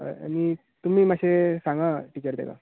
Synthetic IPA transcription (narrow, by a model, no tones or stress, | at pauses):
mi | t̪um̤iːmaɕesãŋɡaʈiːt͡ɕəɾd̪ḛʋa̰